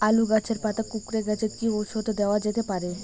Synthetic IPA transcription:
aluɡat͡ɕʰeɾpat̪akukɾeɡɛt͡ʃʰekiot͡ʃʰot̪od̪ɛoad͡ʒet̪epaɾe

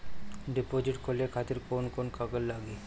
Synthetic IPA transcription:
ɖipod͡ʒiʈkʰoleɾkʰat̪iɾkonkonkaɡəllaɡi

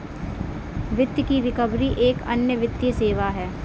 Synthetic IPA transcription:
ʋɪt̪jkiɾɪkəbɾiʔeːkɐ̰njəʋɪt̪jəseːʋaɦɛː

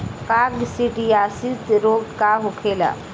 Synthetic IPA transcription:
kaɡsiʈijasit̪ɾoːɡkaɦʊkʰeːla̰

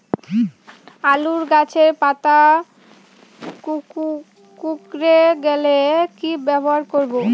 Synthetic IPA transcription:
aluɾɡat͡ɕʰeɾpat̪a | k | kukɾeɡɛlekibɛboɦaɾkoɾbo

